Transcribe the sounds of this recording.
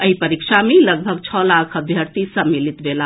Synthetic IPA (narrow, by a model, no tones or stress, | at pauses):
əɦipəɾikʃʰameləɡ̚bʱəɡt͡ʃʰɔlakʰəb̪ʱjəɾt̪isəmːilit̪bela